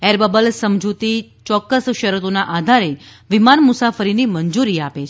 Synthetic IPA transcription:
eɾbəbəlsəmd͡ʒut̪it͡ʃɔkːəsʃəɾut̪onaʔad̪ʱaɾeʋimanmʊsafəɾinimənd͡ʒuɾiapet͡ʃʰ

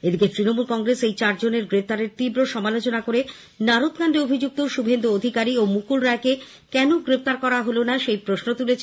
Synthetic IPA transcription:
ed̪iket̪ɾinomulkɔŋɡɾesejt͡ɕaɾd͡ʑoneɾɡɾef̚t̪aɾeɾt̪ibɾoʃɔmalot͡ɕonakoɾe | naɾot̪kanɖeobʱid͡ʑuk̚t̪oʃubʱend̪uod̪ʱikaɾiomukulɾaeke | kɛnoɡɾept̪aɾkɔɾaɦolonaʃejpɾosnot̪ulet͡ɕʰ

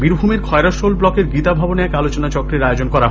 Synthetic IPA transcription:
biɾbʱumeɾkʰɔeɾaʃolblɔkeɾɡit̪abʱaboneɛkalot͡ɕonat͡ɕɔkɾeɾaeod͡ʑonkɔɾa

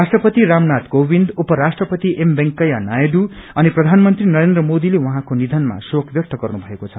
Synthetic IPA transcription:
rasʈrʌpʌt̪iɾamnat̪ɡobind̪upʌɾasʈrʌpʌt̪iʔembeŋkʌjanajeɖuʌniprʌd̪ʱanmʌnt̪rinʌɾend̪rʌmod̪ilewuɦãkonid̪ʱʌnma̰sokʰbjʌk̚t̪ʌɡʌrnubʱʌekot͡sʰʌ̥

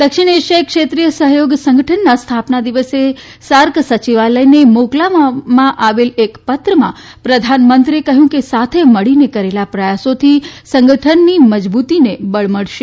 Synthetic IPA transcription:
d̪əkʃɪɽ̃eʃəjkʂet̪ɾijəsəɦjoɡsə̃ŋɡʱəʈʰənːast̪ʰapnad̪iʋəse | saɾksət͡ʃiʋaləjnemoklammãʔaʋelekpət̪ɾəmã̰ | pɾəd̪ʱanmənt̪ɾekəɦjũkesat̪ʰeməɭinekəɾelapɾəjasot̪ʰisə̃ŋɡəʈʰənːiməd͡ʒbut̪inebəɭməɭʃe

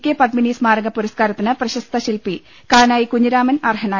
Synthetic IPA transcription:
kʲːepɐd̪miniːsmaːɾɐŋɡɐpːuɾɐskaːɾɐt̪ːinɨprɐɕɐst̪ʰɐɕilpi | kaːnaːjikuɲːɐɾaːmɐnɐrɦɐnaː

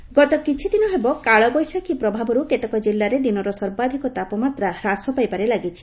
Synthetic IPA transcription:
ɡɔt̪ɔkit͡ʃʰid̪inɔɦebɔkaɭɔbɔjsakipɾɔbʱabɔɾuket̪ɔkɔd͡ʒilːaɾed̪inɔɾɔsɔɾbad̪ʱikɔt̪apɔmat̪ɾahɾasɔpajpaɾelaɡit͡ʃʰi̥

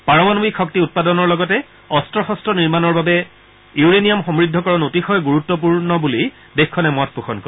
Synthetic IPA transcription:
paɹɔmanobikʰːɔk̚tiut̚padɔnɔɹlɔɡɔtɛ | ɔstɹɔxɔstɹɔniɹmanɔɹbabɛ | juɹenijamxɔmɹidʱːɔkɔɹɔnotixɔjɡuɹutːɔp̬uɹnɔbuli | dexkʰːɔnɛmɔt̚ʰpuxɔnko

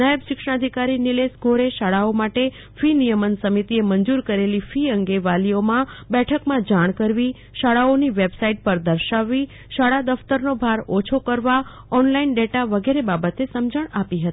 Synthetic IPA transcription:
najəbʃɪkʂəɳ̃ad̪ʱikaɾinɪlesɡʱoɾeʃaɭaomaʈe | finijəmənsəmit̪ieməɲd͡ʒuɾkəɾelifiəŋɡeʋaliomãbɛʈʰəkmãd͡ʒaɽ̃kəɾʋi | ʃaɽaoniʋebsaiʈ̚pəɾd̪əɾʃaʋːi | ʃaɽad̪əft̪əɾnobʱaɾot͡ʃʰokəɾʋa | ɔnlainɖeʈaʋəɡeɾebabət̪esəmd͡ʒəɳ̃apiɦət̪i̥

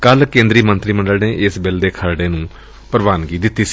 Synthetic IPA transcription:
kəlkẽːnd̪ɾiːmənt̪ɾiːməɳɖəlneːʔɪsbɪld̪eːkʰəɾɖeːnũː | pəɾʋaːnkiːd̪ɪt̪ːiːs

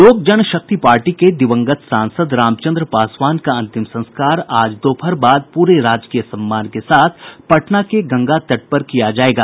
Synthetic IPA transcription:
loːɡ̚d͡ʒənʃɐk̚t̪ipaːɾʈiked̪ɪʋə̃ŋɡət̪sãːnsəd̪ɾaːmt͡ʃə̃nd̪ɾəpaːswaːnkaɐ̃nt̪ɪmsɐ̃nskaːɾaːd͡ʒd̪oːpʰɐɾbaːd̪̚puːɾeɾaːd͡ʒkijəsɐ̃mːaːnkesaːt̪ʰpɐʈnakeɡɐ̃ŋɡat̪ɐʈ̚pɐɾkijad͡ʒaːeːɡaː

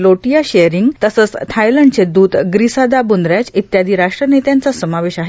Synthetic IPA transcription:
loʈijaɕejɾiŋɡt̪əsət͡st̪ʰajləɳɖt͡sed̪uːd̪ɡɾisad̪abund̪ɾjat͡sit̪jad̪iːɾaʂʈɾənet̪jãnt͡sasəmaʋeɕaɦe

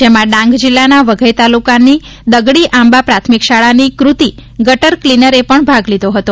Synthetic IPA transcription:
d͡ʒemãɖãŋɡd͡ʒilːanaʋəɡʱəjt̪alukani | d̪əɡɽiʔãmbapɾat̪ʰmikʃaɭanikɾut̪iɡəʈəɾklinəɾepəɳbʱaɡlid̪ʱoɦət̪o

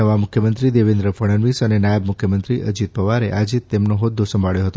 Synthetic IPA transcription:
əʋamʊkʰjəmənt̪ɾid̪eʋend̪ɾəfʰəɽ̃ənʋisənenajəbmukʰjəmənt̪ɾiʔə̰d͡ʒit̪̚pəʋaɾḛʔad͡ʒit̪ːemnoɦod̪ʱːosəmbʱaɭjoɦət̪o

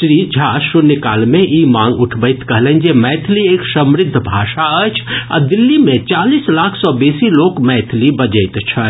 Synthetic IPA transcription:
sɾid͡ʒʱasunəkaːlmẽʔimãŋɡuʈʰbəɪt̪kəɦlɛnd͡ʒemɛjt̪ʰlieksəmɾɪd̪ʱːbʱaːʃaəjt͡ʃʰa̰d̪ilːimet͡ʃalislakʰsɔbesilokmɛːt̪ʰlibəd͡ʒəɪt̪t͡ʃʰə

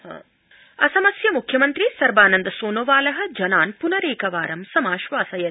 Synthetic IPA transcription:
ha̰ː | ɐsɐmɐsjɐmukʰjɐmɐnt̪ɾisɐɾbaːnɐnd̪ɐsoːnoʋaːlɐɦɐ̆d͡ʒɐnaːnpunɐɾeːkɐʋaːɾɐmsɐmaːʃʋaːsɐjɐ

